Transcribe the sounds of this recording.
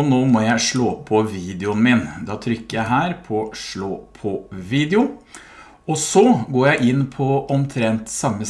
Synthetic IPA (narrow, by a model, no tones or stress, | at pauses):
noːmɔjæɪʂɭoːpʰɔʋiːd̪ɛʊnmɪnd̪ɑːt̪ʰɾʏkːəjæɪɦæːɾpʰɔʂɭoːpʰɔʋiːd̪ɛʊ | ɔsɔɡoːɾjæɪʔɪnːpʰɔɔmt̪ʰɾɛnt̪sɑmːə